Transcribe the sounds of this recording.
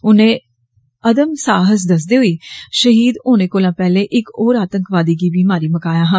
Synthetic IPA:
ʊnẽː | əd̪əmsaːɦəs̬d̪əs̬d̪iːɦʊiːʃəɦiːd̪oːnẽːkoːlãːpɛːlẽːʔɪkoːɾaːt̪ə̃ŋkʋaːd̪iːɡiːbiːmaːɾiːməkaːjaːɦə̃ː

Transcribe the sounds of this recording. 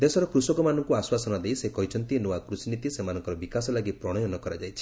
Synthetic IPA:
d̪esɔɾɔkɾusɔkɔmanɔŋkuaswasɔnad̪ejsekɔɦit͡ʃʰɔnt̪inuakɾusinit̪isemanɔ̃ŋkɔɾɔbikasɔlaɡipɾɔɽ̃ɔjɔnɔkɔɾad͡ʒajt͡ʃʰi̥

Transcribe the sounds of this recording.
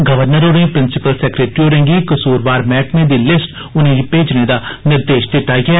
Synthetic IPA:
ɡəʋəɾnəɾoːɾẽːpɾɪnsɪpəlsɛːkɾeːʈɾioːɾẽːŋɡiːkəsuːɾʋaːɾmɛːʈneːd̪iːlɪsʈ | ʊnẽːɡiːpeːd͡ʒneːd̪aːnɪɾd̪eːʃt̪ɪʈːaːɡɪɛː

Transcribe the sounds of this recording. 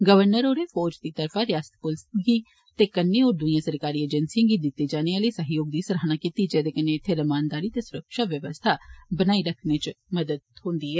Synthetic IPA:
ɡəʋəɾnəɾoːɾeːfʰɔːɾd͡ʒd̪iːt̪əɾfʰãːɾjaːsə̥t̪̚pʊlsɡiː | t̪eːkənːeːoːɾd̪ʊijãːsəɾkaːɾiːeːd͡ʒənsiɪjãŋɡiːd̪ɪt̪ːeːd͡ʒaːneãləiːsəɦjoːɡ̚d̪iːsəɾaːnaːkiːt̪id͡ʒɛːd̪eːkənːeːɪt̪ʰːeːɾəmaːnd̪aːɾiːt̪eːsʊɾəkʃaːʋjəʋəst̪ʰaːbənaːiɾəkʰneːt͡ʃməd̪əd̪̚hʊ̃ːnd̪iːɛː

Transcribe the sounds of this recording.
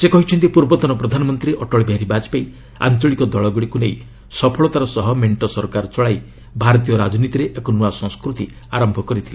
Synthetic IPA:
sekɔɦit͡ʃʰɔnt̪ipuɾbɔt̪ɔnɔpɾɔd̪ʱanɔmɔnt̪ɾiʔɔʈɔɭbʱjaɾibad͡ʒi̥paj | a̰nt͡ʃɔɭikɔd̪ɔɭɔɡɔɽikunej | sɔpʰɔɭɔt̪aɾɔsɔɦɔmeɳʈɔsɔɾkaɾɔt͡ʃɔɭaj | bʱaɾɔt̪̬ijɔɾad͡ʒɔnit̪iɾeʔekɔnuasɔ̃ŋskɾut̪i | aɾɔmbʱɔkɔɾit̪ʰile

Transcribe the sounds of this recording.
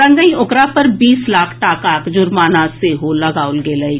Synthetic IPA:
ɾə̃ŋɡəĩʊkɾapəɾbiːslaːkʰʈaːkaːkd͡ʒʊɾmaːnaːseɦoləɡaːʊlɡeːləi

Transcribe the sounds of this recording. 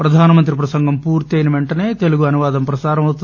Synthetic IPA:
pɾɐd̪ʱaːnɐmɐnt̪̬ɾipɾɐsɐŋɡʱɐmpuːɾt̪iɐjnɐʋeɳʈɐne̞ːt̪e̞luɡuɐnuʋaːd̪ɐmpɾɐsaːɾɐmɐwt̪u

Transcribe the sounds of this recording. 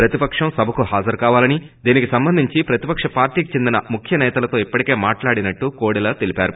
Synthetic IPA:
pɾɐt̪ipɐkʂɐmsɐbʱɐkuɦaːd͡ʒɐɾkaːʋaːlɐni | d̪iːnikisɐmbɐnd̪ʱiɲt͡ʃipɾɐt̪ipɐkʂɐpaːɾʈiːkit͡ʃe̞nd̪inɐmukʰjɐnɛːt̪ɐlɐt̪o̞ːipːɐʈike̞ːmaːʈlaːɽinɐʈːukoːɽilɐːt̪elipaːɾu

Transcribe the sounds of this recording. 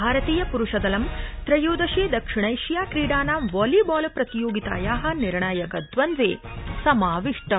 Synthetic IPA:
aːɾɐt̪iːjɐpuɾuʂɐd̪ɐlɐmt̪ɾɐjoːd̪ɐʃeːd̪ɐkʂiɳ̃ɐjʃjaːkɾiːɽaːnaːmʋɔːlibaːlpɾɐt̪ijoːɡit̪a̰ːjaːɦɐ̆niɾɳaːjɐkɐd̪ʋɐnd̪ʋḛː | sɐmaːʋiʂʈɐ

